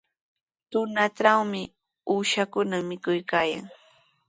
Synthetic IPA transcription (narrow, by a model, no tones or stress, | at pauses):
t̪ʊnaʈ͡ʂawmɪ | uːʃakʊnamɪkʊjkaːja̰ŋ